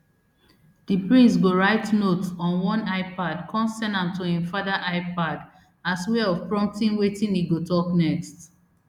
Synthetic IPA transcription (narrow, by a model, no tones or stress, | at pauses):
d̥ipɹĩnsɡoɹaɪtnotɔ̃nwɔ̃naɪpadkʰɔ̃nsɛnãmtʰuĩmfadaʔaɪpad | aswɛɔvpɹɔ̃m̚tĩnwetĩniɡotɔknɛkst